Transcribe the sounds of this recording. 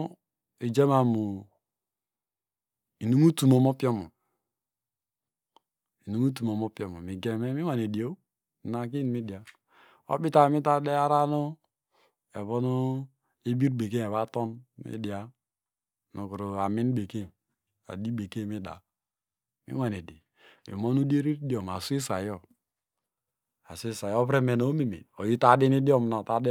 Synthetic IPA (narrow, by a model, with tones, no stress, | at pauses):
i˨d͡ʒe˦ma˨mu˨ | i˨nu˦mu˦tu˨mo˨mo˦pi˦o˦mu˨ | i˨nu˦mu˦t̬u˨mo˨mo˦pi˦o˦mu˨mi˨ɡe˨me˦mi˦wa˨ne˨di˨o˦˨ | na˨k̬i˦n˨mi˦di˨a˨ | o̰˦bi˦ta˨mi˦ta˦de˦a˦ɾa˦no˦ | e˨βo˦no˦ | e˦bi˦ɾbe˨ke˦˨e˨βa˦tɔ˦nmḭ˦di˨a˦ | nu˨ku˨ɾo˨a˨mi˦n˦be˨ke˦n | a̰˨di˦be˨ke˦mi˦da̰˨ | mḭ˦wa˨n˨e˨di˨ | mḭ˨mo˦nu˦de˦ɾi˦ɾdo˨m˨a˨su˦i˦sa˨jɔ˦˨ | a̰˨si˦sa˨jɔ˦pɾɛ˦me˨no˨˦mi˨mḭ˨o˨ji˦ta˦di˦ni˦di˦ɔ˦mna˨ta˦de˦